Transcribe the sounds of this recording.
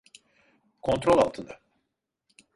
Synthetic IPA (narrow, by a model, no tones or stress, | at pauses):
kʰo̞nt̪ɾolʲˠa̰lˠt̪ʰɯnd̪a